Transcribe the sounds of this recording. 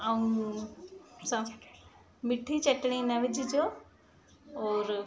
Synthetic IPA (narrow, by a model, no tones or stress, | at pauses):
aũ | sã | mɪʈʰit͡ɕɐʈɽ̃ĩnɐʋɪd͡ʑʱɪd͡ʑoː | ɔːɾ